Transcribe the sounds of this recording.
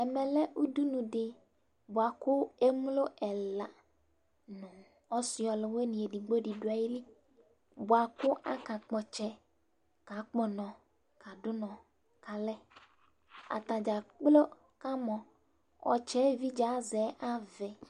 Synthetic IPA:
ɛ˨mɛ˨lɛ˦ʔu˦du˦nũ˨dɪ˦ | bʊ˨a˨kʊ˦e˦m˦lo˦ʔɛ˨la˨ | nʊ̃˨ | ɔ˦sɪ˨ɔ˨lɪ˨we˦nĩ˨e˨di˨˦ɡ͡bo˦dɪ˨dʊ˨˦a˨ji˦li˦ | bʊ˨a˨kʊ˦ʔa˦ka˨k͡pɔ˨t͡ʃɛ˦ | ka˨k͡pɔ˦nɔ̃˨ | ka˨dʊ˦nɔ̃˨ | ka˨lɛ˦ | a̰˨t̪a˨d͡ʒa˨k͡plo˦ | ka˦mɔ̃˨ | ɔ̰˨t͡ʃɛ˦vi˦d͡ʒa˨˦zɛ˨˦ʔa˦vɛ˨

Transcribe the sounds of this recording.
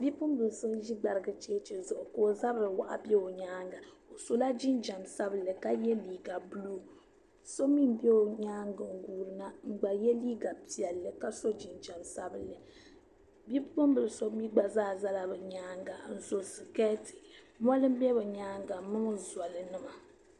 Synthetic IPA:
bi˦pʊ˦mbɨ˨lsɨ˦n˦ʒi˦ɡ͡ba˨ɾɨ˨ɡɨ˨t͡ʃeː˦t͡ʃɛ˨zʊ˨ʔʊ˨ko˨za˦bɨ˨ɾwa̰˨ʔa̰˨bʲɛ˦o˨ɲaː˦ŋɡa˨o˨so˨la˦d͡ʒi˦nd͡ʒa˨msa˦bɨ˨lːɨ˨ka˦jɛ˦liː˨ɡa˨bu˦lu˦ | so˦mi˦m˦bɛ˦o˨ɲaː˦ŋɡɨ˨ŋ˦ɡuː˨ɾɨ˨na˦ŋ͡m̩˨ɡ͡ba˨jɛ˦liː˦ɡa˨pi˨ɛ˨lːɨ˨ka˦so˦d͡ʒi˨nd͡ʒa˨msa˦bɨ˨lːɨ˨ | bi˦ppo˦mbɨ˨lɨ˨so˦mi˦ɡ͡ba˨zaː˦za˦la˨bɨ˨ɲaː˦ŋɡa˨n̩˦˨zo˨sɨ˨kɛ˦tɨ̥˨ | ma˦lɨ˦m̩˦bɛ˦bɛ˨ɲaː˦ŋɡa˨mɨ˦ŋ˦za˨lɨ˨nɨ˦ma˨

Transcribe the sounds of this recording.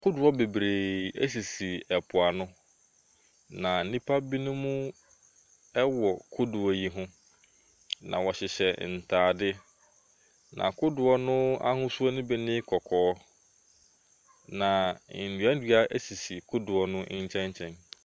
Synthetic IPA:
kʰʊ˦dʊ˨ɔ˦be˨bɾe˨ɛ̰˦s̬i˨si˨ɛ˨pʰʊ˨a˨nʊ̃˦ | nã˨n̩˦nĩ˦pʰa˦bi˦nʊ̃˦mũ˦ | ɛ˦wɔ˨kʰʊ˦dʊ˨ɔ˦ji˦ɦʊ̃˦ | nã̰˨wɔ˨ɕɪ˨ɕɛ˨n̩˨tʰaː˨dɪ˦ | nʔã̰˨kʰʊ˦dʊ˨ɔ˦nʊ̃˦a̰˦hʊ̃˦su˦ɔ˦nʊ̃˦bɛ˦nɪ̃˦kʰɔ˨kʰɔː˦ | nã˨n̩˨dɥa˦n̩˦dɥa˦ʔe˦si˨si˨kʰʊ˦dʊ˨ɔ˦nʊ̃˦ɲ̩˦t͡ɕʰɛ̃˦ɲt͡ɕʰɛ̃˦n

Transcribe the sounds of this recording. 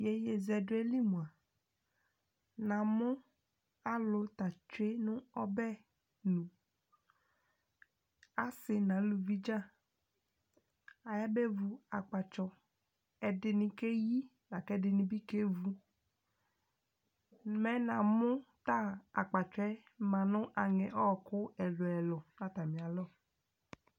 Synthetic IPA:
je˨je˨zɛ˨dʊ˦e˦li˦mũ˨a˨ | nã˨mʊ̃˦ | a˦lo˨t̪a˨t͡ʃe˦nʊ̃˦ɔ˦bɛ˦ | nũ˨ | a˨sɪ˨nã˨˦lu˨vi˦d͡ʒa˦ | a˨ja˦be˦vu˨a˨k͡pa˨t͡ʃɔ˨ | ɛ˨dɪ˨nɪ̃˨ke˦ji˦ | na˨kɛ˦dɪ˨nɪ̃˨bi˦ke˦vu˧ | mɛ˦nã˨mʊ˦t̪a˦a̰˨k͡pa˨t͡ʃɛ˦ | mã˨nʊ̃˦ʔa˨ŋɛ˨ʔɔ˦˨kʊ˦ɛ˨lʊ˨ɛ˨lʊ˨nã˦t̪a˨mĩ˨a˨lɔ˦

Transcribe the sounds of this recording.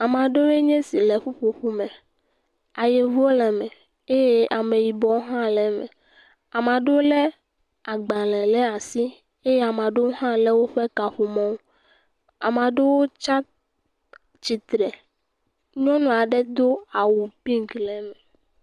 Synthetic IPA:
a˨mã˨ɖe˦e˦ɲɛ̃˦si˨lɛ˨ɸu˦ɸo˨ɸu˦mɛ̃˨ | a˨je˨vo˦lɛ˨mɛ̃˨ | e˦je˦ʔa˨mẽ˨ji˨bɔ˨˦ɦã˦lɛ˨mɛ̰̃˨ | a˨mã˨ɖe˦wo˦lɛ˦ | a˨ɡ͡bã˨lɛ˨lɛ˦a˨si˦ | e˦jɛ˦a˨mã˨ɖe˦wo˦ɦã˦lɛ˦wo˦ɸe˦ka˨ɸu˨mɔ̃˦w | a̰˨m˨ã˨ɖe˦wo˦t͡ʃa˦ | t͡ʃi˨t̪ɾɛ˨ | ɲɔ̃˦nɔ̃˨a˨ɖɛ˦d̪o˦a˨wu˨pĩ˦ŋklɛ˨mɛ̃˨

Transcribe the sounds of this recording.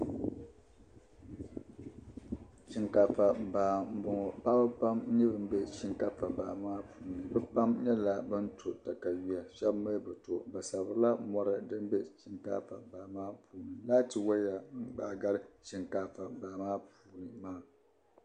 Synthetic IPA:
ʃi˨ŋka˨fa˨baː˨m˦bɔ˨ɔ˨pa˦bɨ˦pa˦m˦ɲɛ˦bɨ˨m˦bɛ˦ʃi˦ŋka˦fa˨ba̰ː˨maː˦puː˨nɨ˨bɨ˦pa˦mɲɛ˦la˦bɨ˦n̩˦tʰo˨ta˨ka˨ɥi˦a˨ʃɛ˦bma˦bɨ˨to˨ba˨sa˨bɨ˨ɾɨ˦la˦mɔ˦ɾɨ˦dɨ˦m˦bɛ˦ʃi˨ŋka̰ː˦fa˨baː˨maː˦pʰuː˨nɨ˨laː˦tɨ˨wa˦ja˨ŋ̩˦ɡ͡baː˨ɡa˦ɾɨ˦ʃi˨ŋkaː˦fa˨baː˨maː˦puː˨˦nɨ˨maː˦˨

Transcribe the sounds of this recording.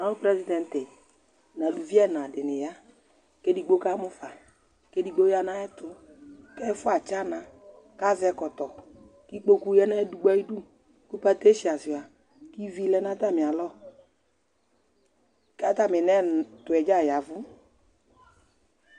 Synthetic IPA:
a˨nʊ˦pɾɛ˦zi˦dɛ˨n˨tɪ˨ | na˨lu˨vi˦ɛ˦na˨dɪ˨nɪ˨ja˦ | ke˦di˧ɡ͡bo˦ka˦mʊ˦fa˨ | ke˦di˧ɡ͡bo˦ja˧na˦ɛ˦tʊ˨ | kɛ˦fʊ˦a˨t͡ʃa˦na˨ | ka˦zɛ˧kɔ˨tɔ˨ | ki˦k͡po˦ku˦jɛ˦na˦du˦ɡ͡ba˦i˦du˦ | ku˦pa˦te˦ʃi˨a˨sɪ˨a˨ | ki˦vi˦lɛ˦na˦ta˦˨mɪ˨a˨lɔ˦ | ka˦ta˦˨mɪ˨nɛ˦˨tʊ˨ɛ˨d͡ʒa˦˨ja˨vʊ˦

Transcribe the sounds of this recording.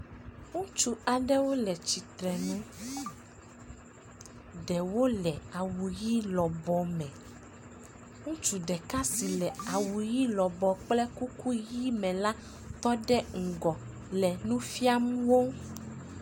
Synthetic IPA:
ŋũ˦t͡ʃu˦a˨ɖɛ˦wo˦lɛ˨t͡ʃi˨t̪ɾɛ˨nũ˦ | ɖɛ˨wo˦lɛ˨a˨wu˨ji˦lɔ˨bɔ˨mɛ̃˨ | ŋũ˦t͡ʃu˨ɖɛ˨ka˦si˨lɛ˨a˨wu˨ji˦lɔ˨bɔ˨k͡plɛ˦ku˦ku˦ji˦mɛ̃˨la˦ | t̪ɔ˦ɖɛ˦ŋ̩˨ɡɔ˨ | lɛ˨nũ˦fi˦a˦mũ˦wo˦

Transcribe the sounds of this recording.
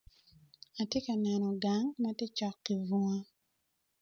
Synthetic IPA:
a˨tje˦ka˨nɛ˨nɔ˨ɡa˨ŋma˦te˦t͡ʃɔ˨kːi˨vu˨ŋa˦

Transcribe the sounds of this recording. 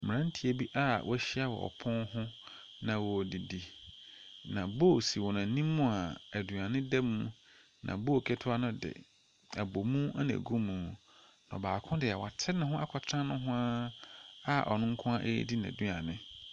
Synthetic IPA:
mɪ̃˨ɾã˦n̩˦tʰi˨e˨bi˦ʔa˦wʔɔ̰˦æ˦ɕi˦a˦wɔ̰˨ɔ̰˨pʰɔ̃˦nhʊ̃˦ | nã˨wɔ˨di˨di˨ | nã˨bo˦˨si˨wɔ˨nã˨˦nĩ˦mːʊ̃˦a˨æ˨du˨a˨nɪ̃˦dɛ˦mũ˦ | nʔã̰˨bo˦o˨kʰɛ˦tʰʊ˦a˦nʊ̃˦dɪ̰˨ | a˨bo˨mũ˦a˦na̰˨ɡu˦mũ˨ | n˨baː˨kʰʊ̃˦dɪ˨a˨wa˨tʰɪ˦nʊ̃˦ɦʊ̃˦ʔa˦kʰɔ˨tʰɾã˦nʊ̃˦ɦʊ̃˦a˦ | a˦ʔɔ̰˨nʊ̃˦ŋ̩˦kʰʊ̃˦a˦ʔḛ˦di˦n˨ã̰˨du˦a˨nɪ̃˦

